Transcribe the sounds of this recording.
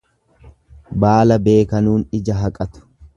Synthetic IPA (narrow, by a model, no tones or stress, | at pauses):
baːlɐbe̞ːkɐnuːnɪd͡ʒɐɦɐkʼɐt̪ʊ̥